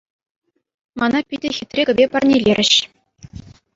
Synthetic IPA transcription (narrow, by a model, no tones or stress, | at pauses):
mɑnɑpʲidʲɘ̆xʲit̪ʲrʲeɡʲɘ̆bʲepɑ̆rnʲelʲeɾʲɘ̆ɕ